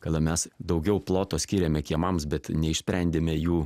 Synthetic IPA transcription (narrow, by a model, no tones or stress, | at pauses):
kɐlʲˠɐmʲɛsd̪ɐʊɡʲɛʊplˠoːt̪oːsʲkʲiːɾʲeːmʲɛkʲiɛmɐmsbʲɛt̪nʲɛɪʃsʲpʲɾʲɛnʲd̪ʲeːmʲɛjuː